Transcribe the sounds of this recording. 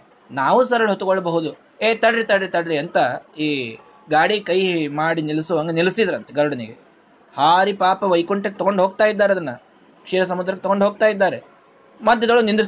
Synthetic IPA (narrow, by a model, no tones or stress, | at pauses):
naːʋusɐɾɐɭɦot̪ːuɡoɭːɐbɐɦud̪u | eːt̪ɐɖɾit̪ɐɖɾit̪ɐɽɾiɐnt̪ɐiː | ɡaːɽikɐjmaːɽinilisuʋaːŋɡɐnilisid̪ɐɾɐnt̪ɐɡɐɾuɽɐniɡḛ | haːɾipaːpɐʋɐjkuɳʈek̚ːt̪ɔɡoɳɖɦoːɡ̚t̪aːjid̪ːaːɾeɐd̪ɐnːɐ | kʂiːɾɐs̬ɐmud̪ɾɐkːet̪ɔɡoɳɖɦoːɡ̚t̪aːjid̪ːaːɾe | mɐd̪ːed̪ɐɭonind̪is